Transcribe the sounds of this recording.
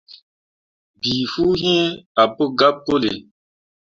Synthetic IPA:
bi˨fuː˦ɦɛ̃˦a˨pə˦ɡa˦p̚ko˦lḛ˨

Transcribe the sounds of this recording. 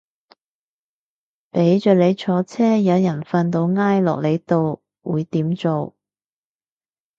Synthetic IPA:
pe˨˥jt͡ʃœː˨˧le˨˧jt͡ʃʰɔː˨˧˥t͡sʰɛː˥jɐ˨˧wjɐ˨˩nfaː˧nt̪o˧wŋaː˥jlɔ̰ː˨k̚le˨˧jt̪o˨w | wuː˨˧jt̪iː˨˥mt͡so˨˧w

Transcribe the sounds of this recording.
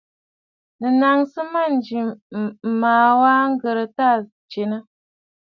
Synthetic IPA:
nə˨na˨ŋsə˦ma˦˨n˨˦d͡ʒi˨m̩˨maː˨wa˦ŋ̩˦ɡə˨ɾə˨ta˦˨ | t͡ʃe˨nə˦

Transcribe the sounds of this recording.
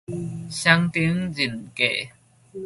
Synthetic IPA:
ɕa˧˥ŋt̪i˧˦əŋzi˨˩˨nkɛ̰˨

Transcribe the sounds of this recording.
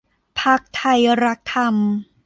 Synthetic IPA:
pʰa˦˥k̚t̪ʰa˧jɾa˦˥k̚t̪ʰːa˧m

